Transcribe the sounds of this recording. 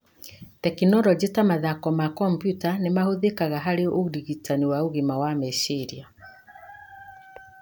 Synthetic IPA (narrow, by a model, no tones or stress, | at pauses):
tɛkinɔɾɔd͡ʑetamaðakɔmakɔmpjutanemahoðekaɣaɦaɾeodiɣitaniwaoɣimawamɛʃeɾia